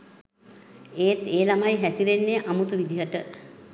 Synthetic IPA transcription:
eːt̪eːlamajɦæsilenːeʔamut̪uʋid̪ʱiɦəʈə

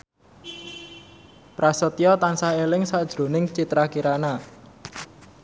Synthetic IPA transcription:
pɾasɔt̪iɔt̪ansaɦelɪŋsad̥ʒ̥ɾo̤nɪŋt͡ʃit̪ɾakiɾana

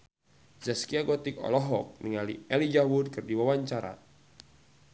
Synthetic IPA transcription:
zaskiaɡɔt̪ɪkɔ̰lɔɦɔk̚niŋalḭɛlid͡ʒawud̚kɨrdiwawaɲt͡ʃaɾa̰

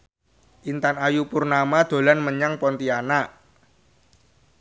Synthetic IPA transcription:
ʔint̪anajupurnamad̪̥o̤lanməɲaŋpɔnt̪ianaʔ

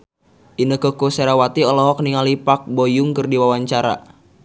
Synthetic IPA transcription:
ʔinəkəkuseɾawat̪iɔlɔɦɔk̚niŋalipak̚bojʊŋkərdiwawaɲt͡ʃaɾa̰

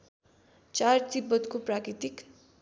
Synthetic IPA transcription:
t͡sart̪ibːʌt̪koprakɾit̪ik

